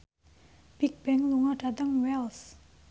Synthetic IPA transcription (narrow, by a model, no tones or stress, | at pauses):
bik̚bɛŋluŋaɖad̪əŋwɛls